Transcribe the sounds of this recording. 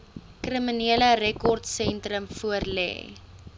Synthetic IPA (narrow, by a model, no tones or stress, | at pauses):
kriminiələɾɛkɔrtsɛntrəmfuərlɛ̰ː